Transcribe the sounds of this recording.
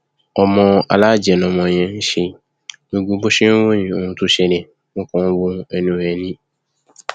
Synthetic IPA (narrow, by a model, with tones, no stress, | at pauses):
ɔ˧mɔ̃˧a̰˨˧la˦˨d͡ʒɛ˨nɔ̃˧mɔ̃˧˨j̃ɛ̃˧n̩˦ʃe˧ | no˨˧ɡ͡bõ˧˦bo˦ʃẽ˦wo˦jĩ˨o˧˨hũ˧tu˦ʃɛ˧nɛ˨ | mõ˦kɔ̃˦n˦wo˦ɛ˧nũ˨jɛ˨nĩ˦